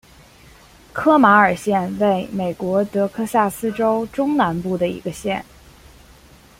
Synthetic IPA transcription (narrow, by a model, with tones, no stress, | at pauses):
kʰɤ˥ma˧˥ə˞˨˩ɕjɛ˥˧nwe˥˩ɪme˨˩ɪkwɔ˧˥t̪ɤ˧˥kʰɤ˥sa˥˩sɹ̩˥ʈ͡ʂo˥ʊʈ͡ʂʊ˥ŋna˧˥npu˥˩d̪ə˩ḭ˧˥ɡə˧ɕjɛ̰˥˩n